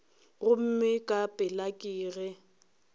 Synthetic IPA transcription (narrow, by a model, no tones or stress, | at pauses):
ɣʊm̩mɪkʼapʼɪlakʼiːɣɛ